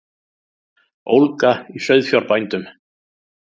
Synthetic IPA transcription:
owlkaisœɥðfjɔɾpajnt̪ʏm

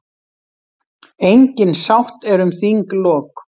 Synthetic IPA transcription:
ejɲcɪnsawht̪ɛɾʏmθiŋklɔːk

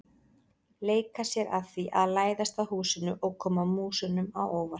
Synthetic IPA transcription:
leːjkasjɛɾʔaðθiʔaðlaːjðast̪ahuːsɪnʏʔɔɣkʰɔːmamuːsʏnʏmawoːwvḁ

